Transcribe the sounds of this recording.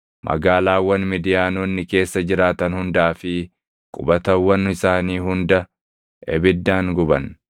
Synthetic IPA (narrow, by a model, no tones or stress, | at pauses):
mʔɐ̰ɡaːlaːwːɐnmɪd̪ɪjaːnoːnːɪke̞ːsːɐd͡ʒɪɾaːt̪ɐnhʊnd̪aːfɪ | kʼʊbɐt̪ɐwːɐnɪsaːniːhʊnd̪ɐ | ʔɛ̰bɪd̪ːaːŋɡʊbɐn